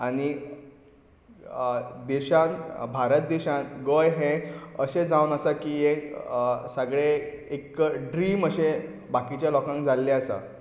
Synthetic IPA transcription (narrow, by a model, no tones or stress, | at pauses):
aɽ̃i | d̪eɕãnbʱaɾət̪̚d̪eɕãnɡojɦẽəɕed͡zawnəsakiːjẽ | səɡɭeekɖɾiːməɕe | bakit͡ɕjalɔkãŋk̚d͡zʱalːeəsa̰